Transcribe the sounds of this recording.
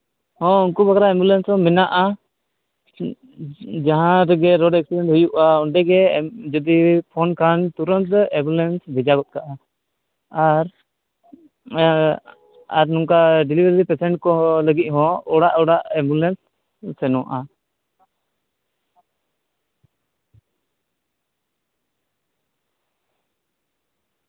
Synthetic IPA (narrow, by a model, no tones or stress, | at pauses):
hɔ̃uŋkubʱakɾaɛmbulɛnsɔ̃mɛnaʔa | d͡ʒaɦãɾɛɡɛɾɔɖɛk̚siɖɛɳʈɦujuʔaɔɳɖɛɡɛd͡ʒɔd̪ipʰɔnkʰant̪uɾɔnt̪ɛbulɛnsbɛd͡ʒaɡɔt̪̚ˀkaʔa | aɾ | aɾnuŋkaɖilibəɾɾipɛsɛɳʈkɔləɡit̪̚ˀɦɔ̃ɔɽaʔɔɽaʔɛmbulɛnsː | ɛnɔ̃wa̰ʔa